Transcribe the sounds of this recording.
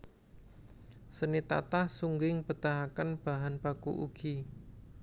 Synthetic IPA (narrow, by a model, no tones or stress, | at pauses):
sənit̪a̰t̪ahsuŋɡɪŋb̥ət̪aɦakənb̥aɦanpakṵʔṵɡ̥i